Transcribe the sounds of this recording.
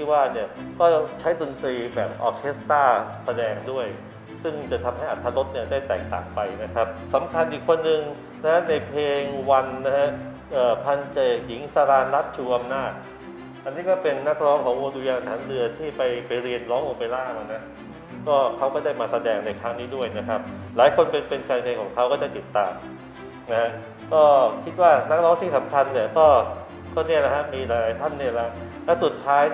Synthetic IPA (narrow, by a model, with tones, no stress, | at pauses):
iː˥˩waː˥˩ni˥˩ɐkɔː˥˩t͡ɕʰa˦˥jdo˧nt̪ɾiː˧bɛː˨˩p̚ʔɔː˧kʰe˦˥st̪aː˥˩sa˧dɛː˧ŋdu˥˩əj | sɯ˥˩ŋt͡ɕa˨˩t̪ʰa˧mha˥˩jʔa˨˩t̪ʰːa˦˥lo˦˥t̪̚ni˥˩ɐdaː˥˩jt̪ɛ̰ː˨˩k̚t̪a̰ː˨˩ŋpa˧jna˦˥kʰa˦˥p̚sa˩˦mkʰa˧nʔi˨˩kʰːo˧nːɯ˨ŋ | na˦˥ha˦˥na˧jpʰleː˧ŋwa˧nːa˦˥ha˦˥ | ʔɤː˨˩pʰa˧nt͡ɕeː˨˩k̚ji˩˦ŋsa˧ɾaː˧nla˦˥t̪̚t͡ɕʰuː˧ʔa˧mnaː˥˩t̪̚ | ʔa˧nːiː˦˥kɔː˥˩pe˧nːa˦˥k̚ɾɔː˦˥ŋkʰɔː˩˦ŋwoː˧duː˧jaː˧ŋt̪ʰaː˩˦nɾɯ˧ɐt̪ʰiː˥˩pa˧jpa˧jɾi˧ənlɔː˦˥ŋlo˧pa˧jlaː˥˩wa˨˩na˦˥ | kɔː˥˩kʰa˦˥wkɔː˥˩daː˥˩jmaː˧sa˧dɛː˧ŋna˧jk̪ʰɾaː˦˥ŋniː˦˥du˥˩əjna˦˥kʰa˦˥p̚laː˩˦jkʰo˧npe˧npe˧nkaː˧nŋa˧jkʰɔː˩˦ŋkʰa˦˥wkɔː˥˩t͡ɕa˧˩t̪i˨˩t̪ːaː˧m | na˦˥kʰa˦˥ʔ | kɔː˥˩kʰi˦˥t̪̚waː˥˩na˦˥k̚ɾɔː˦˥ŋt̪ʰiː˥˩sa˩˦mkʰa˧nːi˥˩ɐkɔː˥˩ | kɔː˥˩ni˥˩ɐla˦˥kʰa˦˥miː˧ɾa˨˦ɾaː˨˦jt̪ʰa˥˩nːi˥˩ɐla˦˥ | lɛ˦˥su˨˩t̪ʰːaː˦˥j